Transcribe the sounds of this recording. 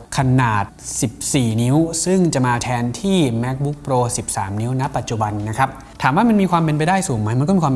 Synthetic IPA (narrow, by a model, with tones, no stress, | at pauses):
kʰa˧naː˨˩t̪̚si˨˩p̚siː˨˩ni˦˥wsɯ˥˩ŋt͡ɕa˨˩maː˧t̪ʰɛː˧nt̪ʰiː˥˩mɛ˦˥k̚bu˦˥k̚pʰɾoː˧si˨˩p̚saː˩˦mni˦˥wna˦˥pa˨˩t̪̚t͡ɕu˨˩ba˧nːa˦˥kʰa˦˥p̚ | t̪ʰaː˩˦mwaː˥˩ma˧nmiː˧kʰwaː˧mpe˧npa˧jdaː˥˩jsuː˨˩˦ŋma˦˥jma˧nkɔ˥˩iː˧kʰwaː˧